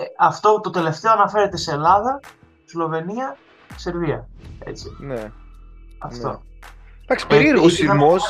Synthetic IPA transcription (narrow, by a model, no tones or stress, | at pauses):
ɐft̪o̞t̪o̞t̪e̞le̞ft̪e̞oɐnɐfe̞ɾe̞t̪e̞seːlɐðɐ | zlo̞ve̞niɐ | se̞ɾviɐe̞̰t͡sine | ɐft̪o̞̰d̪ɐksi̥eiɾosimos